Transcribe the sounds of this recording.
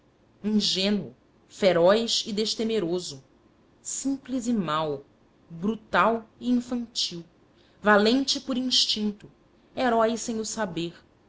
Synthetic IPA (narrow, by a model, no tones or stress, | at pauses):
ĩŋʒẽnwʊ | feɾɔjʃid̪eʃt̪emeɾozʊ | sĩplizɪmaw | bɾut̪awiĩfɐ̃nt͡ʃiw | valẽt͡ʃɪpʊɾĩʃt͡ʃĩnt̪ʊ | eɾɔjsẽj̃ʊsabeɾ